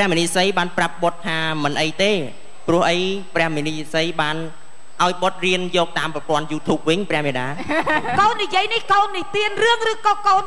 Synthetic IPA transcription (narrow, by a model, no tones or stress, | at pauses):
prɛ̆əhminiːsəjɓaːnprap̚ɓot̪ʰːaːmɨnʔəjt̪eː | prʊ̆əhʔəjprɛ̆əhminisəjɓaːn | ʔaɔjɓot̪̚riənjɔːk̚t̪aːmprɑpŏənjuːt̪ʰuːp̚ʋɨɲprɛ̆əhmɛəɗaː | koːnːijiəjnihkoːnːit̪iənrɨəŋrɨːkoːkoːn